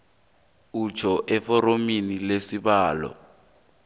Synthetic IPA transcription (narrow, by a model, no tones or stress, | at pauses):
ut͡ʃʰɔʔɛfɔrominilesibaːlɔ̰